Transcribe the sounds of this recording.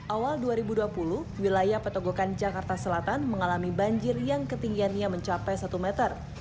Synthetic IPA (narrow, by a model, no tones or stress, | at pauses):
ʔawalduaɾibuduapuluhwilajahpət̪oɡokand͡ʒakart̪asəlat̪anməŋalamibaɲd͡ʒɪrjaŋkət̪iŋɡianɲaməɲt͡ʃapɛjsat̪umɛt̪ər